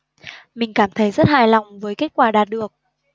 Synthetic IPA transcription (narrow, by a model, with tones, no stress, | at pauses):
mï˨˩ŋ̟kaː˧˩mt̪ʰə˨˦jzə˦˥t̚haː˨˩jlɔ˨˩wŋ͡mvəː˨˦jke˦˥t̚kwaː˧˩ɗaː˨˩t̚ɗɨ˨˩ək̚